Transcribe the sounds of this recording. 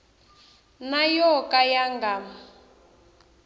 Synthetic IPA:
najɔkʼajaŋɡaːma

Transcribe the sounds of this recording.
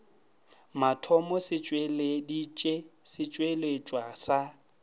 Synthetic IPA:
matʰɔmɔsɪt͡ʃʼweledit͡ʃʼesɪt͡ʃʼwelet͡ʃʼwasa

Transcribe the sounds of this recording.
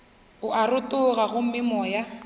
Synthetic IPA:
ʊʔarʊtʊɣaɣʊm̩mɪmɔːja

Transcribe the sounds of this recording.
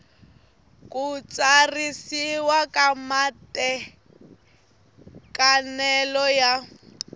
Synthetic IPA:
kut͡sʼarisiwakʼamatɛ | kanɛlɔja

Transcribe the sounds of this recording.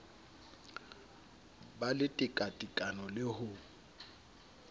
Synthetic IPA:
balɪtʼɪkʼatʼikʼanɔlɪhʊ

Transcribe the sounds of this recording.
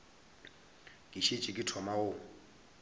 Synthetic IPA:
kʼiʃet͡ʃʼɪkʼɪtʰɔmao

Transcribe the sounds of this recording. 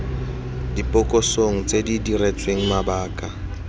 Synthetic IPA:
dipʼɔkʼɔsoŋ̩t͡sʼedidiret͡sʼweŋ̩mabaːkʼa

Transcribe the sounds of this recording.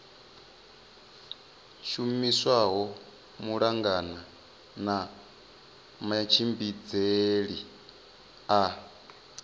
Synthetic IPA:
ʃumiswaɦɔ | muɺaŋɡana | na | mat͡ʃʰimbid͡zeɺi | a

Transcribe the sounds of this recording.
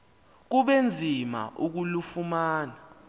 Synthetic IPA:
k̬uɓend͡zʱima̰ʔuk̬ulufumaːna

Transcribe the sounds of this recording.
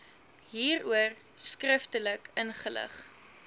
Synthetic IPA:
ɦiːruər | skrəftələkənχələ̰χ

